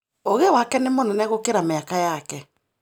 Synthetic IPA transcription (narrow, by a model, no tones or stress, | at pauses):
oɣɛwakɛnemonɛnɛɣokeɾameakajakɛ